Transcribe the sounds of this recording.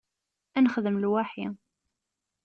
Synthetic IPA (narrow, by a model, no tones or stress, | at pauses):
ænəχðəmlwaħi